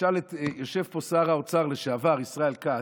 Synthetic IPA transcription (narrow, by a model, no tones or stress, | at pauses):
alet̪joʃe̞vposaʁaot͡saʁleʃeavaʁisʁaelka